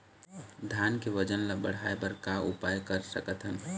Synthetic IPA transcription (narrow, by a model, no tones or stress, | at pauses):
d̪ʱjankeʋəd͡ʒənlabəɽ̤aebəɾkaupajkəɾsəkət̪ɦən